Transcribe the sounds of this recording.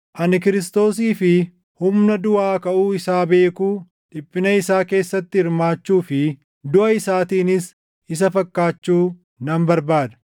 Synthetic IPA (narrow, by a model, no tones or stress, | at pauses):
ʔɐnɪk̬ɪɾɪst̪o̞ːs̬iːfɪ | hʊmnɐd̪ʊaːkɐʔuːɪsaːbe̞ːkuː | ᶑɪpːɪnɐɪsaːke̞ːsːɐt̪ːɪɪɾmaːt͡ʃːuːfɪ | d̪ʊʔɐɪsaːt̪iːnɪs | ɪs̬ɐfɐkːaːt͡ʃːuː | nɐmbɐɾbaːd̪ɐ̥